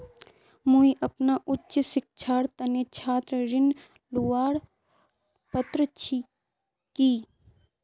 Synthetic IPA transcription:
mũiʔɐpnaʔʊtːt͡ʃsɪk̚t͡ʃʰaːɾt̪ɐnet͡ʃʰaːt̪ɾəɾɪn | luʋaːɽ | pət̪ɾət͡ʃʰi | kiː

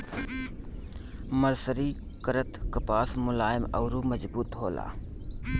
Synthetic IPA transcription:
məɾsəɾiː | kəɾət̪kəpaːsmʊlaːjɪmɐ̰wɾuːmɐd͡ʒbuːt̪ɦoːla̰ː

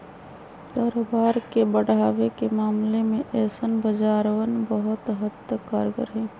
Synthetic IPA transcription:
d̪̥ɐːɾobaːɾkebəɽ̤aːwekemaːmlemẽʔɛːsənbəd͡ʒaːɾwənbəɦʊt̪ɦəd̪əkaːɾɡə̰ɾɦɛ̃ː

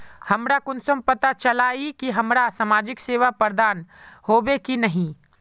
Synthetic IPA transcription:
hɐmɾakʊnsəmpɐt̪at͡ʃɐlaːikiɦɐmɾasamaːd͡ʒɪkseːʋapəɾd̪aːnhoːbekinɐɦĩ

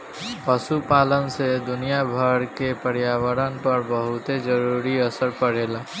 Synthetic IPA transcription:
pəsupaːlənsed̪ʊnijabʱəɾkepəɾjaːʋəɾənpɐɾbəɦʊt̪ed͡ʒəɾuːɾiɐsəɾpəɽ̤eːlaː

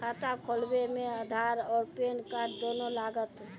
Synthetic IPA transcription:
kʰat̪akʰolbemeəd̪ʱaɾɔːɾpenkaʈd̪onolaɡət̪

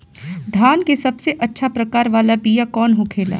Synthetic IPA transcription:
d̪ʱaːnkesɐbseʔɐtːʃʰapɾɐkaːɾʋaːlabiːjakɔːnɦokʰeːla̰ː

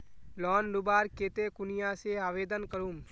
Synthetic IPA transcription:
lɔːnɾʊbaːɾkeːt̪ekʊnɪjaseaːʋeːd̪ənkəɾũːm

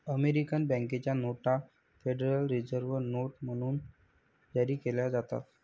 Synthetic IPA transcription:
əmeɾikənbə̃ŋket͡ɕjanoʈa | feɖəɾəlɾid͡zəɾʋəɾnoʈm̤əɽ̃uːn | jaɾiːkeljad͡zat̪a̰t̪

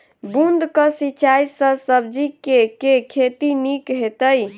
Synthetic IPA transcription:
bund̪kəsit͡ʃajsəsəb̚d͡ʒikekekʰet̪inikɦet̪əj

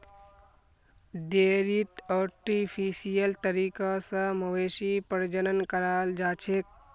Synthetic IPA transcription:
d̪eːɾit̪ɔːʈipʰisijəlt̪əɾiːkasəməʋeːʃipəɾd͡ʒənənkəɾaːld͡ʒaːt͡ʃʰek̚

